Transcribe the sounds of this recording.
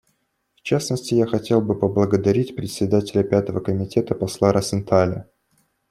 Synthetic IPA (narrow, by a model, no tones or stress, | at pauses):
ft͡ɕasnəsʲtʲɪjaxɐtʲe̞lˠbɨpəblˠəɡəd̪ɐɾʲitʲpɾʲɪt̪sʲɪd̪atʲɪlʲəpʲat̪əvəkəmʲɪtʲe̞t̪əpɐslˠaɾʔɐsʲɪnt̪ʰalʲɪ